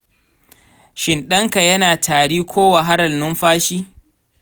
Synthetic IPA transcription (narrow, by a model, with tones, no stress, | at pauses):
ʃɪ˨nɗɐ˦ŋka˨jɐ˦naː˨tʰaː˨ɽiː˦kʷʰoː˦wa˨ɦa˦ɽɐ˨lnʊ˦mɸaː˦ʃiː˦